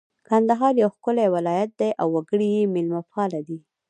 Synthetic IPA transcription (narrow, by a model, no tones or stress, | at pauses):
kand̪aɦɑɾjawxkʊlawɪlɑjat̪̚d̪ajʔawːaɡəɽijemɪlmafɑlad̪i